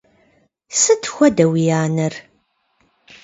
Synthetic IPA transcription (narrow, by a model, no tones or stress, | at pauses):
sɨt̪ːxʷɐdɐwijaːnər